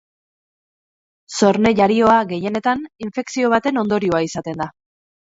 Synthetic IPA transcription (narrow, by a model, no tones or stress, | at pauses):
so̞ɾne̞ʝaɾio̞aɣe̞je̞ne̞t̪aniɱfe̞ksio̞β̞at̪e̞no̞nd̪o̞ɾioaisat̪e̞nd̪a